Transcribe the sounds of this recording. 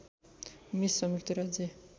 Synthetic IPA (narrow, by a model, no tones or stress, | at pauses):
misːʌmikt̪iɾad͡ze